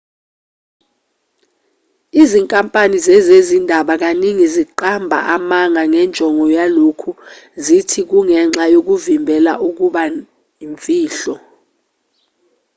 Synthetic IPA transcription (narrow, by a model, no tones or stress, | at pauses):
iziŋkʼampʼanizɛzezindʱaɓak̬aniŋiziǃambʱa̰ʔamaŋʱaŋɛnd͡ʒʱɔŋʱɔjalokʰu | zitʰik̬uŋɛŋ͡ǁajok̬uvimbʱɛla̰ʔuk̬uɓa | iɱviːɬɔ